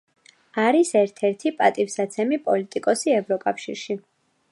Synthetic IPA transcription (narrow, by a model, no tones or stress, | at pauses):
aɾisɛɾt̪ʰɛɾt̪ʰipʼat̪ʼifsat̪sʰɛmipʼɔlit̪ʼikʼɔsiɛvɾɔkʼafʃḭɾʃi